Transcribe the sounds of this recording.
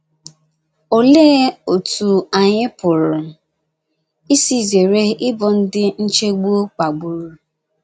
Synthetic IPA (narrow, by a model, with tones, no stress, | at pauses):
o˦le˦o˨tu˨a˨ɲɪ˦pʊ˨ɾʊ˨ | i˦si˦˨ze˨ɾe˦ɪ˦bɔ˨n̩˦dɪ˦n̩˦t͡ʃe˦ɡ͡bu˦o˦k͡pa˨ɡ͡bu˨ɾu˨